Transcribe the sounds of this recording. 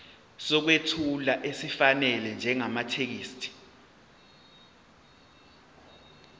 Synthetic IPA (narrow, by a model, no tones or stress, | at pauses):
sɔk̬wetʰulaʔesifanɛlɛnd͡ʒʱɛŋamatʰek̬iːstʰi̥